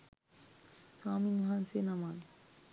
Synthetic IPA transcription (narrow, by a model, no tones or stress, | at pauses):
saminɦansenaman